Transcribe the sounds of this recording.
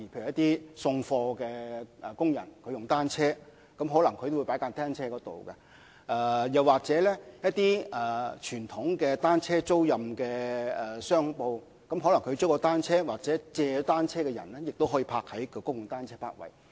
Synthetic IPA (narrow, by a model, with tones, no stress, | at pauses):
i˨˩pʰe˧˨˩jɐ˥t̪iː˥sʊ˧ŋfɔː˧kɛː˧ʔɛ˨kʊ˥ŋjɐ̰˨˩nkʰɵ˧jʊ˨ŋt̪aː˥nt͡sʰɛː˥ | kɐ˨˥mɦɔ˨˥lɐ˨˩ŋkʰɵ˨˧jt̪wpa˨˥jkaː˧nt̪aː˥nt͡sʰɛː˥kɔː˨˧˥t̪o̰˨wkɐ̰˧ | ʔɛ˨jɐ˨waː˨k̚t͡sɛː˨˥lɛ˥jɐ˥t̚t̪iː˥ʔɛː˨˩t͡ʃʰyː˨˩nt̪ʰʊ˨˥ŋkɛː˧t̪aː˥nt͡sʰɛː˥t͡so˥wjɐ˨mkɛː˧ɛ˨sœː˥ŋpo˧w | kɐ˨˥mɦɔ˨˧˥lɐ˨˩ŋkʰɵ˨˧ɥt͡sɔː˥kɔ˧t̪aː˥nt͡sʰɛː˥waː˨k̚t͡sɛː˨˥t͡sɛː˨˧t̪aː˥nt͡sʰɛː˥kɛ˧jɐ̰˨˩nlɛ˥jɪ˨k̚t̪o˥wɦɔː˨˥jiː˧pʰaː˧k̚hɐ˨˥jkkʊ˥jʊ˨˩ŋt̪aː˥nt͡sʰɛː˥pʰa̰ː˧t̚wɐ̰˨˩j